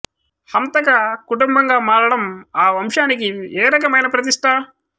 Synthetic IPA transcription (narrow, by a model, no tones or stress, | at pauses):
hɐmt̪ɐkɐkuʈumbʱɐŋɡaːmaːɽɐɽɐmaːʋɐmʃaːnikieːɾɐk̬ɐmɐjnɐpɾɐt̪iʂʈʰɐ